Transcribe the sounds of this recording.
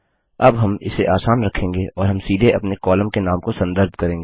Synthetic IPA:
ɐbɦɐmɪ̰seʔaːsaːnɾɐkʰːẽːŋɡeʔɔːɾɦɐmsiːd̪ʱeʔɐpnekɔːləmkenaːmkosɐ̃nd̪əɾd̪̚ʱkɐɾẽːŋɡeː

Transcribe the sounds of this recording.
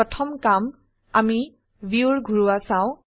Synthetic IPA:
ɔtʰɔmkam | ami | biuɹɡʱuɹuwasãʊ̃

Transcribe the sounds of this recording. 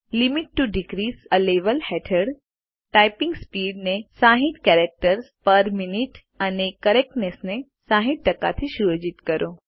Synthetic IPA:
limiʈːuɖiɡɾisəleʋəlhɛʈʰəɽ | ʈajpĩŋɡspiɽnesãɦit̪kɛɾek̚ʈəɾspəɾminiʈ | anekəɾek̚ʈnesnesãɦit̪̚ʈəka̰t̪ʰiʃuɾəd͡ʒit̪kəɾʔo

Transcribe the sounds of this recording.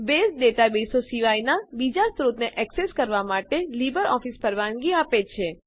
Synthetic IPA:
besd̪et̪abesosiʋajnabid͡ʒast̪ɾut̪neʔɛkseskəɾʋamaʈelibəɾɔfispəɾʋanɡiapet͡ʃʰe

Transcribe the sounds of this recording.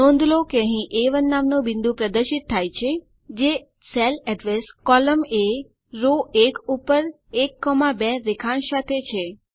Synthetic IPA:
ɔ̃nd̪ʱlokeəɦĩʔeʋənːamnũbɪnd̪ũpɾəd̪əɾʃit̪ʰːajt͡ʃʰe | d͡ʒe | selɛɖʋeskɔləme | ɾoekupːəɾ | ekːɔmabɛɾekʰãnsat̪ʰet͡ʃʰe

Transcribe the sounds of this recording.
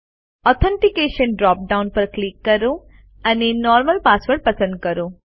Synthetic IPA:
ɔt̪ʰəɳʈikeːʃənɖɾɔːp̚ɖaunpəɾklikːəɾo | anenɔːɾməlpasʋəɾʈ̚pɐsə̃nd̪̚kəɾo

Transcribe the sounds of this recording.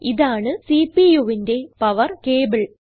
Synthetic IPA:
iðaːɳɨsipːijuʋinde̞pɐʋɐrkeːbɨɭ

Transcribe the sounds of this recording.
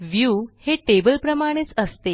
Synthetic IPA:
ʋjuːheʈebəlpɾəmaɽ̃et͡səst̪e

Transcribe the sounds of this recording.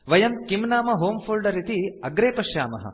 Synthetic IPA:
ʋɐjɐmkimnaːmɐɦoːmpʰuːlɖɐɾit̪iɐɡɾeːpɐʃja̰ːmɐɦɐ̰

